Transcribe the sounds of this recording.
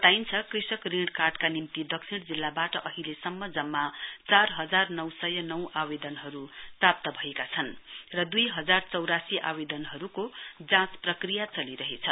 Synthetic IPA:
t̪aint͡sʰʌkrisʌkriɽkarʈkanimt̪id̪ʌksʰiɽd͡zilːabaʈʌʔʌɦilesʌmːʌd͡zʌmːat͡sarɦʌd͡zarnʌwsʌjʌnʌwʔabed̪ʌnɦʌɾuprap̚t̪ʌbʱʌekat͡sʰʌnrʌd̪ujɦʌd͡zart͡sʌwɾasiʔa̰bed̪ʌnɦʌɾukod͡zãsprʌkrijat͡sʌliɾʌɦet͡sʰʌ

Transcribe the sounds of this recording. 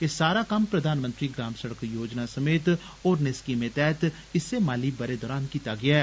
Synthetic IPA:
kesaːɾaːkəmpɾəd̪ʱaːnmə̃nt̪ɾiːɡɾaːmsəɽəkjoːd͡ʒnaːsəmeːt̪ | oːɾnɪskiːmẽːt̪ɛːt̪ | ɪsːeːmaːliːbəɾeːd̪ɔːɾaːnkiːt̪aːɡɪaːɛː

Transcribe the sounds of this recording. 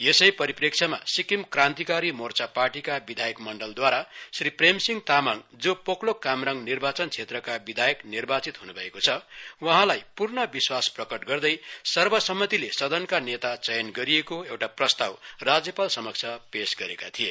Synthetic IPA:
esʌjpʌɾiprekt͡sʰʌma̰sikimkrãnt̪ikaɾimort͡saparʈikabid̪ʱajʌkmʌɳɖʌld̪waɾasripremsiŋt̪amaŋd͡zopoklokamrʌŋnirbat͡sʌnt͡sʰet̪rʌkabid̪ʱajʌknirbat͡sit̪ɦunubʱʌekot͡sʰʌwʌɦãlajpurnʌbiswasprʌkʌʈɡʌrd̪ʌjsʌrbʌsʌmːʌt̪ilesʌd̪ʱʌnkanet̪at͡sʌjʌnɡʌɾiekoewʈaprʌst̪awrad͡zjʌpalsʌmʌkt͡sʰʌpesɡʌɾekat̪ʰije

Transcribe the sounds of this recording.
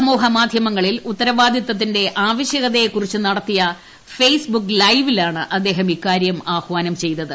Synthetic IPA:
ɐmoːɦɐmaːd̪ʱjɐmɐŋːɐɭilut̪ːɐɾɐʋaːd̪ʱjɐt̪ːɐt̪̬ːinde̞ʔaːʋɐɕjɐɣɐðɐjekːurit͡ɕːunɐɽɐt̪ːijɐ | fejsbukːlɐjʋilaːɳɨʔɐd̪ːe̞ːɦɐmikːaːɾjɐmaːxʋaːnɐmt͡ɕe̞jt̪ːɐðɨ

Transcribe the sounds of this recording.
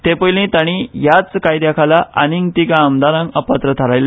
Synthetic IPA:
t̪epəjlĩt̪aɽ̃ĩjat͡skajd̪akʰalaa̰niŋt̪ikaːmd̪aɾãŋɡəpat̪ɾət̪ʰəɾajlː

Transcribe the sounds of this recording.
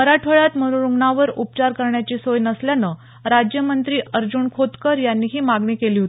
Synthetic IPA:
əɾaʈʰəɭat̪mənuɾuɡɳaʋəɾup̚t͡ɕaɾkəɾɳjat͡ɕiːsojnəsljanə | ɾad͡ʑjəmənt̪ɾiːʔəɾd͡ʑuːɳkʰot̪kəɾjanːiːɦiːmaɡɳiːkeliːɦot̪ː

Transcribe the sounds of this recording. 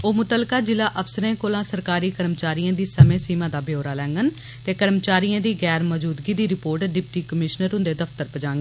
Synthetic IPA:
oːmʊt̪əlkaːd͡ʒɪlaːʔəpʰsəɾẽːkoːlãːsəɾkaːɾiːkəɾmt͡ʃaːɾijãːd̪iːsəmẽːsiːmãːd̪aːbɪoːɾaːlɛ̃ːŋɡən | t̪eːkəɾmt͡ʃaːɾijãːd̪iːɡɛːɾmɔːd͡ʒuːd̪ɡiːd̪iːɾɪpoːɾʈɖɪpʈiːkəmɪʃnəɾɦʊ̃nd̪eːd̪əpʰt̪əɾpəd͡ʒãːŋɡə

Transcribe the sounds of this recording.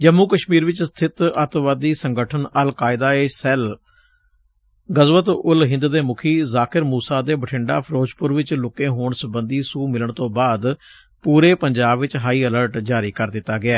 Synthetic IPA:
d͡ʒəmːuːkəʃmiːɾʋɪt͡ʃst̪ʰɪt̪ət̪ʋad̪iːsəŋɡəʈʰənəlkaːɪd̪aːeːsɛːl | ɡəzʋət̪ʊlɦɪ̃nd̪d̪eːmʊkʰiːzaːkʰɪɾmuːsaːd̪eːbəʈʰɪɳɖa̰ːpʰəɾoːt͡ʃpʊɾʋɪt͡ʃlʊkẽːɦoːɳsəbənd̪iːsuːmɪləɳt̪õːbaːd̪ | puːɾeːpəɲd͡ʒaːbʋɪt͡ʃɦaːiːələɾʈd͡ʒaːɾiːkəɾd̪ɪt̪ːaːɡɪɛː

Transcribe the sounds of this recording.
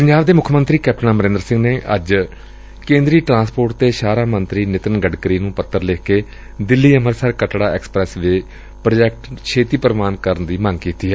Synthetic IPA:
pəɲd͡ʒaːʋd̪eːmʊkʰmənt̪ɾiːkɛːp̚ʈənãːməɾẽːnd̪əɾsɪ̃ŋɡneːʔə̰d͡ʒ | kẽːnd̪ɾiːʈɾãːspoːɾʈt̪eːʃaːɾaːmənt̪ɾiːnɪt̪ənɡəɖkəɾiːnũːpət̪ːəɾleːkeː | d̪ɪlːiːəməɾsəɾkəʈɽaːɛːksə̥pɾɛːsʋe | pɾəd͡ʒɛːk̚ʈkʃʰeːt̪iːpəɾəmaːnkəɾənd̪iːmə̃ŋɡkiːt̪iːɛː

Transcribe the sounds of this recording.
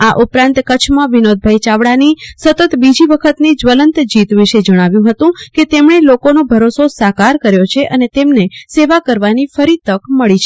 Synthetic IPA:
aʔupɾãnt̪kət͡ʃʰmãʋinod̪̚bʱait͡ʃaʋɽanisət̪ət̪bid͡ʒiʋəkʰət̪nid͡ʒʋələnt̪d͡ʒit̪ʋɪʃed͡ʒəɽ̃aʋjũɦət̪ũket̪emɳelokonobʱəɾososakaɾkəɾjot͡ʃʰeʔənet̪emneseʋakəɾʋanifəɾit̪əkməɭit͡ʃʰe

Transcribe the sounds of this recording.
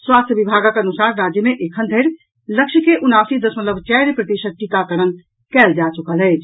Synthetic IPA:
swast̪ʰjəbibʱaɡəkənusaɾɾad͡ʒjəmeʔekʰənd̪ʱəɾ | ləkʃʰkeʔunasid̪əsmət̪ləbt͡ʃɛɾpɾət̪iʃət̪̚ʈik̪akəɾən | kɛːld͡ʒat͡ʃukəlɦɛt͡ʃʰ

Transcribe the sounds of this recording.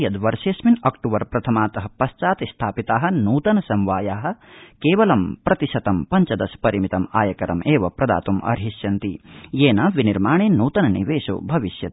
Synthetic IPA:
jɐd̪ʋɐɾʃeːsminɐkʈuːʋɐɾpɾɐt̪ʰɐmaːt̪ɐɦɐpɐst͡ʃaːt̪ist̪ʰaːpit̪aːɦɐ̆nuːt̪ɐnɐsɐmʋaːjaːɦɐ̆keːʋɐlɐmpɾɐt̪iʃɐt̪ɐmpɐɲt͡ʃɐd̪ɐspɐɾimit̪ɐmaːjɐkɐɾɐ̰meːʋɐpɾɐd̪a̰ːt̪umʔɐ̰ɾɦiʃjɐnt̪ijeːnɐʋiniɾmaːɳeːnuːt̪ɐnɐnḭʋeːʃo̰ːbʱɐʋiʃjɐt̪

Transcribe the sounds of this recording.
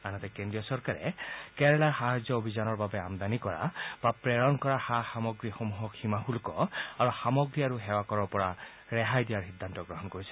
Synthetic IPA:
anɔt̪ɛkendɹijɔsɔɹkaɹɛ̰kɛɹɛlaxaɦad͡ʒjɔobʱizanɔɹbabɛamd̪anikɔɹa̰b̥apɹɛɹɔnkɔɹaxaxamɔɡɹixomuɦɔkhimaxulkɔaɹuxamɔɡɹiaɹuɦɛwakɔɹɔɹpɔɹa | ɹɛɦajdijaɹxid̪ʱːantɔɡɹɔɦɔnkoɹisɛ

